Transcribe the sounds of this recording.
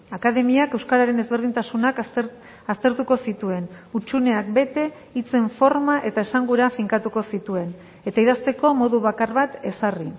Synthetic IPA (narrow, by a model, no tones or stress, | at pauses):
akaðe̞miake̞wskaɾaɾe̞ne̞zβe̞ɾðint̪asunak | ast̪e̞ɾt̪uko̞sit̪ue̞nut͡ʃune̞ak̚be̞t̪e̞ | it͡se̞ɱfo̞ɾmaʔe̞t̪ae̞saŋɡuɾafiŋkat̪uko̞sit̪ue̞n | e̞t̪aiðast̪e̞ko̞mo̞ðuβakarβat̪e̞sari